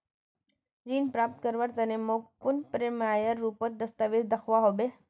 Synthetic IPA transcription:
ɾiːnpɾaːp̚t̪kəɾʋaɾt̪ənemokpʊnpɾemajəɾːupət̪̚d̪əst̪aʋid̪d̪əxʰʋaɦobe

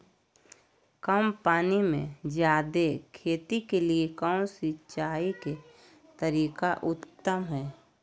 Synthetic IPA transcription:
kəmpaːnimḛ̃d͡ʒjaːd̪ekʰeːt̪ikeliekãːsitːt͡ʃaːike | t̪əɾiːkaʔʊt̪ːəmɦɛː

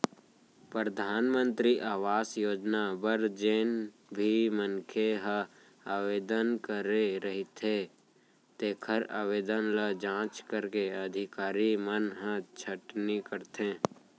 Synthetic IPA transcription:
pɾɾəd̪ʱaːnmə̃nt̪ɾiʔaːʋaːsjoːd͡ʒnabəɾd͡ʒeːn | bʱimənkʰeɦə | aːʋeːd̪ənkəɾeɾəɦit̪ʰe | t̪eːkʰəɾa̰ːʋeːd̪ənləd͡ʒãːt͡ʃkəɾkeəd̪ʱɪkaːɾimənɦə̃t͡ʃʰəʈnikəɾt̪ẽː

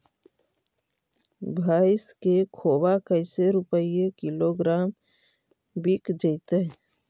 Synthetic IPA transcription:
bʱaːɪskekʰoːwakəɪseɾʊpəiekɪloɡɾaːm | bikd͡ʒəɪt̪eɦ

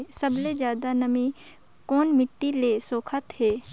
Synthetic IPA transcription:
səbled͡ʒjaːd̪anəmĩ | koːnmɪʈːileːsoːkʰət̪ɦeː

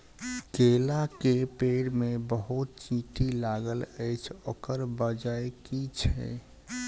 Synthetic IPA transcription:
kelakepeɽmebəɦut̪̚t͡ʃĩʈilaɡələjt͡ʃʰokəɾbəd͡ʒajkit͡ʃʰɛ̰

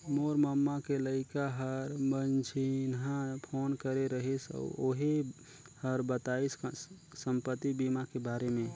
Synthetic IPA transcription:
moɾməmːakeləɪkaɦəɾmənt͡ʃʰinɦãpʰonkəɾeɾəɦɛsɔ̰o̰ɦe | həɾbət̪aisk | səmpət̪ːibimakebaɾemẽ

